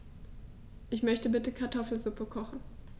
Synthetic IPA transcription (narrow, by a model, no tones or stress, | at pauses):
ʔɪçmœçtəbɪtəkʰaɐtʰɔfl̩zʊpəkʰɔχn̩